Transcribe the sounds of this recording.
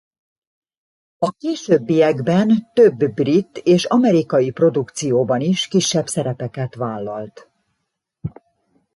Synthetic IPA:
ɒkeːʃøbːijɛɡbɛnt̪øbːrit̪ːeːʃɒmɛɾikɒjipro̞d̪ukt̪sijoːbɒniʃkiʃːɛbsɛɾɛpɛkɛt̪ʋaːlːɒlt̪

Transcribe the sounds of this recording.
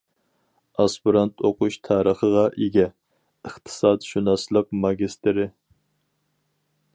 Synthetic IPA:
ɑspiɾɑnt̪ʰoqʰuʃt̪ʰɑːɾəχəʁɑʔeɡʲɛ | əχt̪ʰɨ̥sɑd̪ʃunɑslˠəq̚mɑɡʲist̪ɪɾɪ

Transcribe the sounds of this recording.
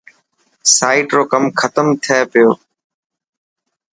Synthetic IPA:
saːiʈɾoːkəmkʰət̪əmt̪ʰeːpɪjoː

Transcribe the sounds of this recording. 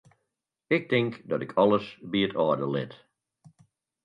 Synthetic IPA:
ɪk̚tɪŋkdɔtɪkʰɔlˠəsbiətʰɔːdəlɪ̰t

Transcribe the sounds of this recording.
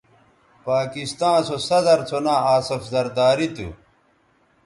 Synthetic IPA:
paːkist̪ãːsosɐzɐɾt͡sʰonãːaːsɐfzɐɾd̪aːɾit̪ṵ

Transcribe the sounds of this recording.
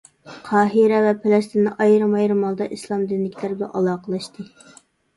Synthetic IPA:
qʰɑːɦiɾɛvɛpʰelɛst̪ɪnɨʔɑjɾɨmɑjɾɨmɑlˠd̪ɑʔislˠɑmd̪ɪnlɪkʲʰlæɾblɛ̰ʔɑlˠɑːqʰəlˠɑʃt̪ɨ

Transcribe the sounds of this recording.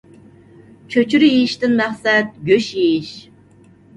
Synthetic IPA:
t͡ʃʰøt͡ʃʰyɾjejiʃt̪ɪnmæχsɛt̪̚ɡʲøʃjejiʃ

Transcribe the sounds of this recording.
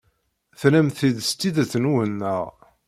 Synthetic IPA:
θlæmθiðst̪ːiðæθənuwənːəʁ

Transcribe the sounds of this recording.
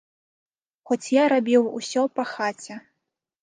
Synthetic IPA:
xɔt͡sʲjaɾabʲiwusʲɔpɐxat͡sʲɛ

